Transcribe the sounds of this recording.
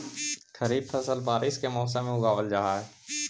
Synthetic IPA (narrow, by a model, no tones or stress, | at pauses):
kʰəɾiːb̪̚fʰəsəlbaːɾɪskemɔːs̬emẽʊɡaːʋəld͡ʒaːɦaɦɛ